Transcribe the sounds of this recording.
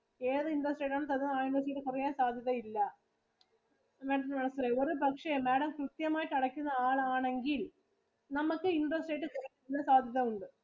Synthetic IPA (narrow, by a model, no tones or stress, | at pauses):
e̞ːðɨinɖɐsʈeːʈ̬ːaːɳɨt̪ɐnaːinɖɐs̬ʈeːʈːɨkurijaːnsaːd̪ʱjɐðɐilːɐ | meːɽɐmmɐɳɐsɐreo̞ɾubʱɐkʂɐmeːɽɐmkrɨt̪jɐmaːjiʈːɐɽɐkʲːunːɐaːɭaːɳe̞ŋɡil | nɐmukːɨinɖɐsʈeːʈːɨkɐri | ilːɐsaːd̪ʱjɐðɐmuɳɖɨ